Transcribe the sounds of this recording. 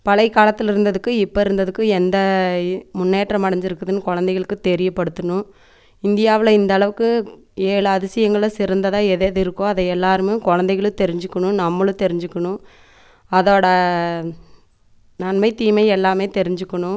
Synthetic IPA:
pɐɭɐɪkːaːlɐt̪ːɪlɪɾɯnd̪ɐðɯkːɯɪpːɐɪɾɯnd̪ɐðɯkːɯɛnd̪ɐmʊnːeːʈrɐmɐɽɐɲd͡ʒɪɾɯkːɐðɯnːɯkɔɻɐnd̪ɐɛɣɐɭɯkːɯt̪ɛɾɪjɐpːɐɽɯt̪ːɯɳʊ̃ | ɪnd̪ɪjaːʋɪlɐɪnd̪ɐɭɐʋɯkːɯ | eːlɐɐðɪsɪjɐŋɡɐɭɐsɪɾɐnd̪ɐðãːɛðeðɯɪɾɯkːõɐðɐɛlːaːɾɯmeːkɔɻɐnd̪ɐɪɣɐɭɯ̃t̪ɛɾɪɲd͡ʒɯkːɐɳʊ̃nɐmːɐɭɯ̃t̪ɛɾɪɲd͡ʒɯkːɐɳʊ̃ | ɐðoːɽɐ | nɐnmɐɪt̪iːmɐɪɛlːaːmeːt̪ɛɾɪɲd͡ʒɯkːɐɳʊ̃

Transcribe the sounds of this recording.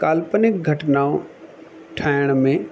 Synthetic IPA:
kaːlpənɪk̚ɡʱɐʈnaːõ | ʈʰaːjɽ̃mẽ

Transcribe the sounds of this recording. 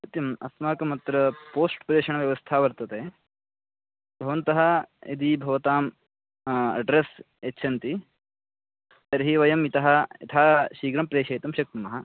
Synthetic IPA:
ɐt̪jɐmɐ̰smaːkɐmɐt̪ɾɐpoːsʈpɾeːʂɐɳɐʋjɐʋɐst̪ʰaːʋɐɾt̪ɐt̪eː | bʱɐʋɐnt̪ɐɦɐɐ̰d̪ibʱɐʋɐt̪aːm | ɐ̰ɖɾes | ɐtːʃʰɐnt̪i | t̪ɐɾɦiʋɐjɐmit̪ɐɦɐḭt̪ʰaːʃiːɡɾɐmpɾeːʃɐjt̪ɐmʃɐk̚t̪ɐmɐɦɐ

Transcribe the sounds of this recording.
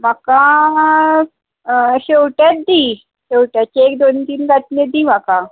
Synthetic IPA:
makã | ɕewʈjat̪̚d̪i | ɕewʈjat͡ɕiekd̪ont̪iːnɡat̪net̪̚d̪iːm̤aka

